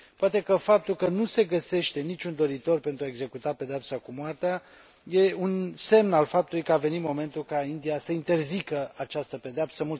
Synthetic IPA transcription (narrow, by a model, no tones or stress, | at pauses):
poat̪e̞kəfap̚t̪ulkənuse̞ɡəse̞ʃt̪e̞nit͡ʃʲund̪o̞ɾit̪o̞rpe̞nt̪ɾuaeɡze̞kut̪ape̞d̪eapsakumoart̪ea | je̞unse̞mnalfap̚t̪ulujkəave̞nit̪mo̞me̞nt̪ulkaind̪ijasəint̪e̞rzikəat͡ʃast̪əpe̞d̪eap̪̚səmult̪